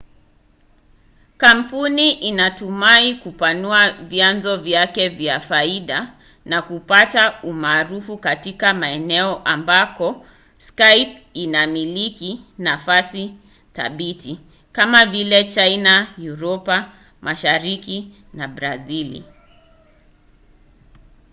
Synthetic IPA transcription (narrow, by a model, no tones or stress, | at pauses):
kam̩puniʔinatumaikupanuavjanzɔvjakɛvjafaiɗa | nakupataumaːɾufukatikamaɛnɛɔʔambakɔ | skajp̚inamilikinafasi | θa̰ɓiti | kamavilɛt͡ʃainajuɾɔpa | mʔaʃaɾiki | nabɾazilḭ